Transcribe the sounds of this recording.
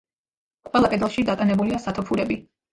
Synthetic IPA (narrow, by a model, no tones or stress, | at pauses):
qʼwɛlˠapʼɛd̪lˠʃid̪at̪ʼanɛbuliasat̪ʰɔpʰuɾɛbi